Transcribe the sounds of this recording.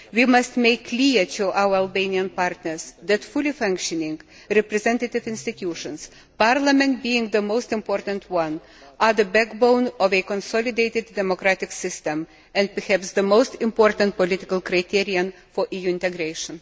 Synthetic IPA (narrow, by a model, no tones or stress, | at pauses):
wimɐstmeɪkʰːlitʰuʔaʊwə˞alˠbẽɪniə̃npɑɾtnə˞sðætfʊlˠifʌ̃ŋkʃɨnɪ̃ŋɡ | ɾɛpɾɛzɛ̃ntət̪ɪvɪ̃nstɨt̪ʰjuːʃə̃ns | pɑɹləmɛ̃nt̚biɪ̃ŋɡðəmoʊstɪ̃mpɔːɾtə̃ntʰwʌ̃n | ʔəðəbækbõʊ̃nɔvɨkɔ̃nsɔlˠɪdeɪtɪdːɛmɔkɾæt̪ɪksɪstə̃m | ɛ̃nd̚pəhæpsðəmoʊstɪ̃mpɔɹtə̃nt̚pɔlɪtɪkəlˠkɾaɪt̪ʰiɹiə̃n | fɔʔijuːɪ̃ntɛɡɾeɪʃə̃n